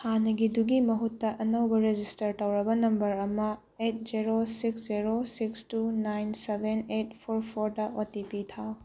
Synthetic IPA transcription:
hanɐɡiduɡimɐɦutːɐʔɐnɐwbɐɾed͡ʒistɐɾtɐwɾɐbɐnɐmbɐɾɐmɐ | et̚d͡ʒiɾosiksd͡ʒiɾosikstunajnsebʱenet̚pʰoɾpʰoɾdɐʔotipitʰaw

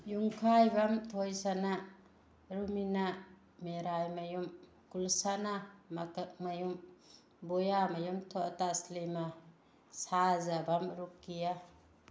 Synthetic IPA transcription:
juŋkʰajbamtʰojsana | ɾumina | meɾajmajum | kulsanamakak̚majum | bojamajumtʰoʔtaslima | sazabamɾukːija

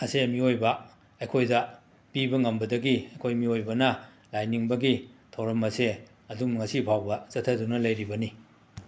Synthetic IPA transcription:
ɐseɐmiojbɐ | ɐjkʰojdɐ | pibɐŋɐmbɐdɐɡiɐjkʰojmiojbɐnɐ | lajniŋbɐɡitʰɐwɾɐmɐse | ɐdumŋɐsipʰawbɐsɐtʰːɐdunɐlɐjɾibɐni

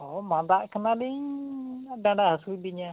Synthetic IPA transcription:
ɔmad̪aʔkənali | dãɳɖaɦasubiɲa

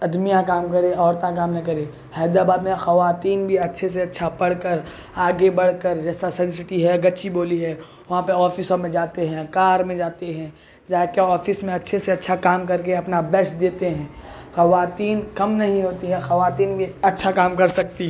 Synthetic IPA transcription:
ɐd̪mijãkaːmkɐɾeɔːɾt̪ãk̬aːmnɐɦĩkɐɾeː | hɛːd̪abaːd̪mẽxɐʋaːt̪iːnbʱiɐtːʃʰes̬eɐtːʃʰapɐɽ̤kəɾ | aːɡebɐɽ̤kəɾd͡ʒɛːsasɛ̃ns̬ɪʈiɦɛɡɐtːt͡ʃiboːliɦɛː | ʋɐɦãpɐɾɔːfɪsomẽd͡ʒaːt̪eɦɛ̃ːkaːɾmẽd͡ʒaːt̪eɦɛ̃ | d͡ʒaːkeɔːfɪsmẽɐtːʃʰeseɐtːʃʰakaːmk̬ɐɾkeɐpnabɛsd̪eːt̪eɦɛ̃ː | xɐʋaːt̪iːnkɐmnɐɦĩɦoːt̪iɦɛ̃xɐʋaːt̪iːnbʱiɐtːʃʰakaːmkɐɾsɐk̚t̪iɦ

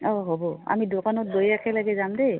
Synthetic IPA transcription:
ɔɦɔbɔa̰midokanɔt̚bojakʰɛlaɡɛzamde

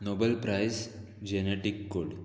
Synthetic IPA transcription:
nobəlpɾajs | d͡ʑeneʈikːoɽ

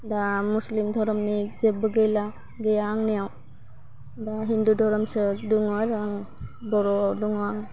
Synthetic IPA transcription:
damuslimd̪ʱɔɾɔmnid͡ʒəbɯɡejla | ɡejaŋnijaw | daɦindudʱɔɾɔmsɯduŋaɾaŋ | bɔɾɔawduŋaŋ

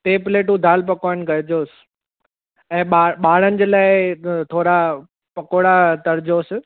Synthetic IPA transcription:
ʈeːpleːʈũd̪ʱaːlpɐkaːɪnɡɐɾd͡ʑoːs | ɛ̃ːɓaːɓaːɽ̤ənɪ̆d͡ʑeːlaːɪt̪ʰoːɾa | pɐkoːɽat̪ɐɾd͡ʑoːsɪ

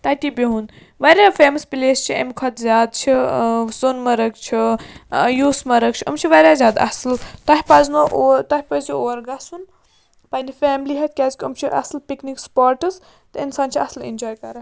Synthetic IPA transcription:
t̪ɐt̪ibʲeɦun | ʋɐɾʲjafeːmɐspileːst͡ʃʰiḛmʲkʰɐt̪zʲjaːd̪t͡ʃʰisonmɐɾəkt͡ʃʰi | juːsmɐɾəkt͡ʃʰiɐ̰mt͡ʃʰiʋɐɾʲjaːzʲaːd̪ɐ̰sɨlt̪ɐɦʲipɐznoʔt̪ɐhipɐzioːɾɡɐsun | pɐnifʲeːmliɦɐt̪̚ʰʲkʲaːzkʰʲiɐmt͡ʃʰiʔɐ̰slpiknikspaːɾʈɨs | t̪ɨinsaːnt͡ʃʰiɐslḭnd͡ʒɔːjkɐɾɐ

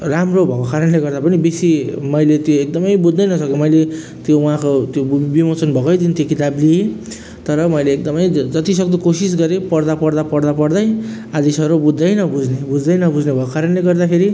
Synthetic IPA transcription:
ramrobʱʌkokaɾʌnleɡʌrd̪apʌnibesimʌjlet̪joek̚d̪ʌmʌjbud̪ʱːʌjnʌsʌkemʌjle | t̪jouɦãkot̪jobimot͡sʌnbʱʌkʌjt̪int̪jokit̪ablie | t̪ʌɾʌmʌjleːk̚d̪ʌmʌjd͡zʌt̪isʌk̚d̪ukosisɡʌɾepʌrd̪apʌɾd̪apʌɽd̪apʌɽd̪ʌj | ad̪esʌɾubud̪ʱːʌjnʌbud͡znebud͡zd̪ʌjnʌbud͡znebʱʌkokaɾʌnleɡʌrd̪apʰeɾi

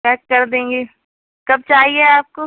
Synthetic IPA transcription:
pɛːkːɐɾd̪ẽːŋɡeː | kɐb̚t͡ʃaːɦieaːp̚ko

